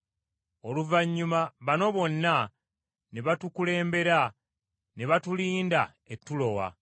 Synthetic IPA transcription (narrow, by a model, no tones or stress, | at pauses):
o̞luvaɲːumaβano̞βo̞nːa | neβatukule̞ːmbe̞ɾa | neβatuliːnda | etːulo̞wa̰